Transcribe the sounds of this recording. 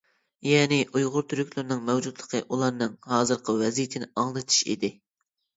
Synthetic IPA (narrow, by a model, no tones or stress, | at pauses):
jɛːnɪʔujʁʊɾt̪ʰyɾykʲlˠyɾnɨŋmɛwd͡ʒud̪lˠəqʰəʔulˠɑɾnɨŋhɑːzɨɾqʰəwɛzijt̪ʰɪnɪɑŋlˠɨt̪ʰɨ̥ʃḭd̪ɪ